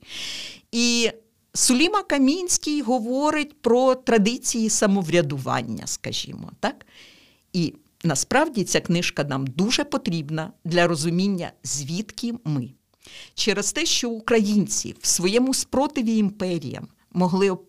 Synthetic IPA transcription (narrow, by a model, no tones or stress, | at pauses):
i | sʊlʲimɐkɐmʲinʲsʲkʲijɦɔʋɔɾɪtʲpɾɔt̪ɾɐd̪ɪt͡sʲijisɐmɔʋɾʲɐd̪ʊʋɑ̰nʲːɐ̰skɐʒʲḭmɔ̰t̪ɑk | i | nɐspɾɑwdʲit͡sʲaknɪʃkɐnɑmd̪uʒɛpɔt̪ɾʲibnɐd̪lʲɐɾɔzʊmʲinʲːɐ̰zʲʋʲit̪kʲimɪ | t͡ʃɛɾɛst̪ɛʃt͡ʃɔʊkɾɐjinʲt͡sʲḭwwsʋɔjɛmʊspɾɔt̪ɪʋʲiːmpɛɾʲḭjɐ̰mː | ɔɦlˠɪ